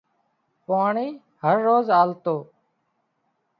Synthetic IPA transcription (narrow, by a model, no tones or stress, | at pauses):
paːɳiː | həɾːoːzaːlt̪oː